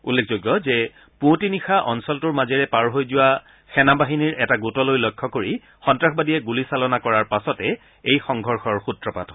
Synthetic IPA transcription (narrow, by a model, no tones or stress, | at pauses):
ulːekʰzoɡjɔzɛ | pũtinixaʔɔnsɔltʊɹmazɛɹɛpaɹɦojzʊwa | xɛnabaɦiniɹʔɛtaɡutɔlojlɔjkʰːɔkoɹi | xɔntɹaxʰbadiɛɡulisalɔnakɔɹaɹpasɔtɛ | ejxɔŋɡʱɔɹxɔɹxutɹɔpat